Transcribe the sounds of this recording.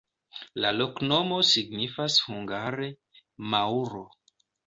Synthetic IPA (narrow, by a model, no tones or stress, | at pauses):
lalo̞kno̞mo̞siɡnifashuŋɡaɾe̞ | mauɾo̞